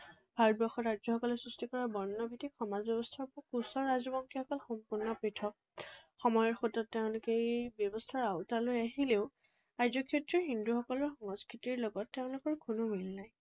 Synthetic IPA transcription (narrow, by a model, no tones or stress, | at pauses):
bʱaɹɔt̚bɔxɔtɹazɔxɔkɔlɔsɹistikɔɹabɔɹnːɔbʱitikxɔmazbjɔbɔstʰaɹpɔkusɔɹazɔbɔŋkʰixɔkɔlxɔmpuɹnɔpɹitʰɔk̚xɔmɔjɔɹxotɔtːeʊ̃lʊkebjɔbɔstʰaɹaʊtalojaɦileʊ | ajzɔkʰetɹɔɦinduxɔkɔlɔɹxɔŋɔskɹitiɹlɔɡɔtːeʊ̃lʊkɔɹkʰunɔmilnaj